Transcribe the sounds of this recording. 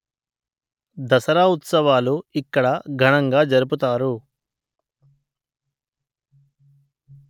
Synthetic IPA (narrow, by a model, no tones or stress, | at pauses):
d̪ɐsɐɾaːut̪sɐʋaːluikːɐɽɐɡʱɐɳɐŋɡaːd͡ʒɐɾup̬ut̪aːɾu